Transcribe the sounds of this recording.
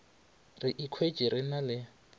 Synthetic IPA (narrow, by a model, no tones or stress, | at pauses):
rɪʔikʰwe̥d͡ʒʼiɾɪnalɪ